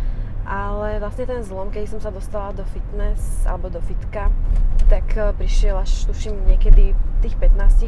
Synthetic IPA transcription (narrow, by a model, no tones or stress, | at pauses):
ʔalɛʋlasɲɛt̪ɛnzlɔmkɛd̪isɔmsad̪ɔst̪alad̪ɔfit̪nɛsa̰lɛbɔd̪ɔfit̪kat̪akpɾiʃɪɛlaʃt̪uʃimɲɪɛkɛd̪it̪iːxpɛt̪naːsci